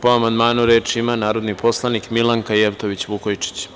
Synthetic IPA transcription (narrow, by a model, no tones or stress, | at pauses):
poamand̪maːnuɾe̞ːt͡ʃiimanaːɾo̞d̪nipʰo̞slˠanikmilˠaŋkajeʋt̪o̞ʋit͡ɕʋukojt͡ʂi̥t͡ɕ